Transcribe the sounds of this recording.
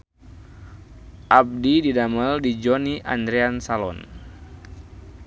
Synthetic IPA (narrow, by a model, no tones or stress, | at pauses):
ʔab̚dididaməldid͡ʒɔniʔa̰nd̪ɾɛansalɔ̰n